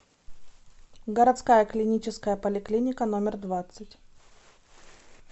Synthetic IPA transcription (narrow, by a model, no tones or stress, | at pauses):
ɡəɾɐt̪skajəklʲɪnʲit͡ɕɪskəjəpəlʲɪklʲinʲɪkənomʲɪrd̪vat̪sɨtʲ